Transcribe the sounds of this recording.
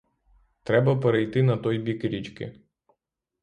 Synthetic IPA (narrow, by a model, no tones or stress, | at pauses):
t̪ɾɛbɐpɛɾɛjt̪ɪnɐt̪ɔjbʲikɾʲit͡ʃkʲɪ̰